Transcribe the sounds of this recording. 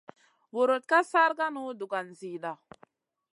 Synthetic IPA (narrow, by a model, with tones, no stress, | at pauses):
wo˨ɾo˨t̪̚ka˦sa˦ɾka˦nu˦du˨ka˨nzi˨ɗa˨